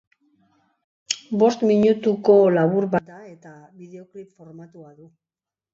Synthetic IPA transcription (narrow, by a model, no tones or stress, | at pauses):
bo̞st̪miɲut̪uko̞laβ̞uɾβad̪ae̞t̪aβiðe̞o̞klipfo̞ɾmat̪uaðu